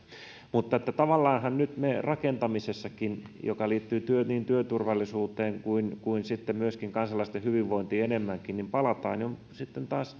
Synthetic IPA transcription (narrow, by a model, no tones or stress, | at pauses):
mut̪ːɑet̪ːæt̪ɑʋɑlːɑːnhɑnnyt̪merʔɑkent̪ɑmisesːɑkinjo̰kɑliːt̪ːyːt̪yøniːnt̪yøt̪urʋɑlːisuːt̪eːŋkuinkuinsit̪ːemmyøskiŋkɑnsɑlːˑɑist̪ehyʋiʋːoint̪iːenemːæŋkinnimpɑlɑt̪ɑ̰ːniom | sit̪ːent̪ɑːs